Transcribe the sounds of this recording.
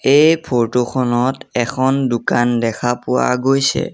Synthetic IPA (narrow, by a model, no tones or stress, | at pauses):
ejjpʰoɹtoxʰɔnɔtɛkʰɔndʊkandɛkʰapʊwa̰ɡojsɛ̰